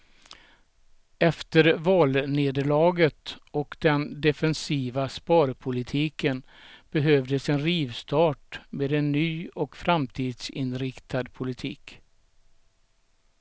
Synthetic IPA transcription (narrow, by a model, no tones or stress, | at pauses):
ɛft̪əɾvɑːlneːd̪əɭɑːɡət̪ɔkd̪ɛnd̪ɛfɛnsiːvaspɑːɾpʰʊlɪt̪ʰiːkən | b̥ɛɦøːvd̪əsɛnɾiːvst̪ʰɑːʈmeːd̪ɛnːyːɔkfɾamt̪ʰiːd̪sɪnɾɪkt̪ʰad̪pʰʊlɪt̪ʰḭːk